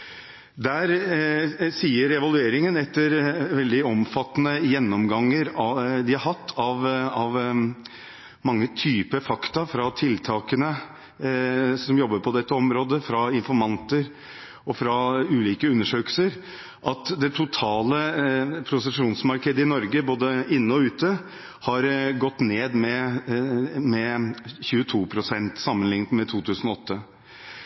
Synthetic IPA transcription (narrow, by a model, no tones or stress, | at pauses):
d̪æːɾ | siːəɾɛʋɑlʉeːɾɪŋənɛt̪ːəɾʋɛld̪ɪɔmfɑt̪ːnəjɛnːɔmɡɑŋːəɾɑd̪ɪhɑɾɦɑt̪ʰːɑʋɑʋ | mɑŋːət̪ʰyːpəfɑkt̪ɑfɾɑt̪ʰɪlt̪ʰɑːkənə | sɔmjɔbːəɾpʰɔd̪ɛt̪ːəɔmɾoːd̪əfɾɑɪnfɔɾmɑnt̪əɾ | ɔfɾɑʉːliːkəʉnːəʂøːkəl̩səɾ | ʔɑt̪d̪ɛt̪ʰʊt̪ʰɑːləpʰɾʊsəʂuːnsmɑɾkʰeːd̪əɪnɔɾɡəboːd̪əɪnːəɔʉːt̪ə | hɑɾɡɔt̪ːneːd̪mɛ | mɛçʉːət̪ʰuːpʰɾʊsɛnt̪sɑmːənlɪŋt̪mɛt̪ʰuːt̪ʰʉːsnɔɔt̪ːə